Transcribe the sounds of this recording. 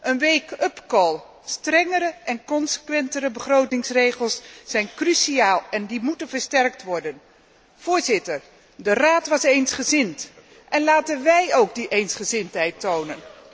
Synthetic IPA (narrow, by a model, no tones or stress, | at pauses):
ʔənʋejkɵpkɔlˠ | strɛŋəɾəʔɛnkɔnsə̥kʋɛntəɾəbəχrowtɪŋsrejχəlˠsːɛjnkrysiaːlˠɛndimutənvəɹstɛrk̚tʋɔɹdən | v̥ʊːɹzɪtər | dəraːtʋɑsejnsχəzɪnt | ʔɛnlaːtənʋɛjowɡdiʔejnsχəzɪntɦɛjtownən